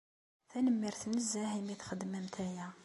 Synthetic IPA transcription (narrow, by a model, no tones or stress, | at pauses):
θænəmːiɾθnəzːæhimiθχəd̪ːmæmt̪ʰæjæ